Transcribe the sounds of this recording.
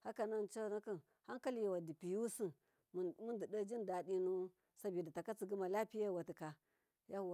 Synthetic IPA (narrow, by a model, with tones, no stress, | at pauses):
ha˦ka˨na˦nt͡ʃa˦˨na˦kə˦˨n | ha˦ŋka˦lji˨wa˨di˨pi˨ju˦si˦˨n˨ | mu˦ndi˨də˦d͡ʒi˦nda˨di˦nu˦ | sa˦bi˨da˨ta˨ka˦t͡si˨ɡi˦ma˨la˦pi˦ja˦˨wa˨ti˨ka˨ | ja˦a˨